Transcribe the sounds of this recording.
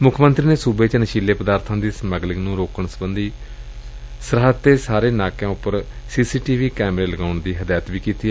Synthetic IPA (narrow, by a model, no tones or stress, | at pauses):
mʊkʰmənt̪ɾiːneːsuːbeːt͡ʃnəʃiːleːpəd̪aːɾt̪ʰãːd̪iːsməɡlɪknũːɾoːkəɳsəbənd̪iː | səɾɦəd̪t̪eːsaːɾeːnaːkjãːʊpːəɾ | siːsiːʈiːʋiːkɛːmɾeːləɡaːʊɳd̪iːɦəd̪aːjət̪ʋiːkiːt̪iːɛ